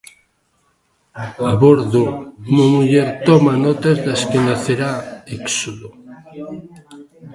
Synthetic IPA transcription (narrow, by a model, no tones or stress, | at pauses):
aβoɾðoumamuʎɛɾt̪ɔmanɔt̪ɐzðaskenaθeɾaeksoðo